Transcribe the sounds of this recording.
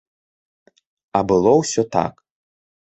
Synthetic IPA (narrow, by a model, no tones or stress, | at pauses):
ɐbɨlˠɔwsʲɔt̪a̰k